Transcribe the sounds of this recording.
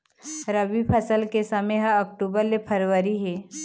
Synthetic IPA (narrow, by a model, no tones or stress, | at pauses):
ɾəbipʰəsəlkesɐmeɦaɐk̚ʈuːbəɾlepʰɐɾʋəɾiɦeː